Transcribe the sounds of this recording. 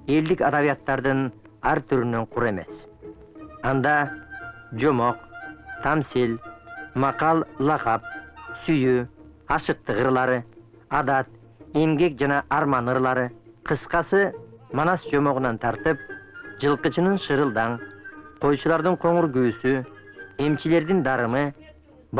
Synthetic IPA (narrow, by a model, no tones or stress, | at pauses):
e̞ld̪ikɑd̪ɑβijat̪ːɑɾd̪ɯn | ɑɾt̪ʰyɾynøɴqʰuɾe̞me̞̰s | ɑnd̪ɑ | d͡ʒo̞mo̞qt̪ʰɑmsilmɑqɑlˠlˠɑqɑp̚syjy | ɑʃɯq̚t̪ɯʁɯɾlˠɑɾɯ | ɑd̪ɑt̪̚ | e̞mɡe̞k̚d͡ʒɑnɑʔɑɾmɑnɯɾlˠɑɾɯqʰɯsqɑsɯmɑnɑsd͡ʒo̞mo̞ʁunɑnt̪ʰɑɾt̪ɯp̚d͡ʒɯlˠqɯt͡ʃɯnɯnʃɯɾɯlˠd̪ɑɴqʰo̞jt͡ʃulˠɑɾd̪ɯɴqʰo̞ɴuɾɡyːsye̞mt͡ʃile̞ɾd̪ind̪ɑɾɯmɯ | b